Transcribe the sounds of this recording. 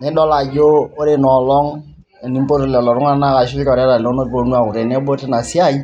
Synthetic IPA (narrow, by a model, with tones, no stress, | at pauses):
nɛ˦ɗɔ˦la˨d͡ʒoː˦ɾe˨nɔ˨lɔ˦ŋ | ɛ˨ni˦mpo˦ɾo˨lɛ˨lɔ˨ɾu˦ŋa˦˨na˦˨ka˨ʃi˦lɔ˨ɾɛ˦ɾa˨n˨do˦no˦po˨nu˦a˨kʊ˨ɾe˨nɛ˦bo˦te˦na˨si˦a˦˨i˦